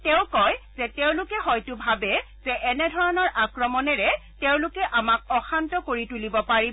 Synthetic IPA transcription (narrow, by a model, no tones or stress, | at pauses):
teʊ̃kɔjzɛteʊ̃lʊkɛhɔjtʊbʱabɛ | zɛʔɛnɛdʱɔɹɔnɔɹʔakɹɔmɔnɛɹɛteʊ̃lʊkɛʔamak̚ɔxantɔkoɹitulibɔpaɹi